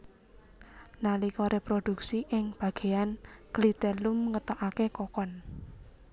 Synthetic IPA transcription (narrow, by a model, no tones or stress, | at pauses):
nalikɔɾepɾod̪̥ṳksiʔɪŋb̥ä̤ɡ̥e̤anɡ̥lit̪ɛluməŋət̪aʔakekɔkɔn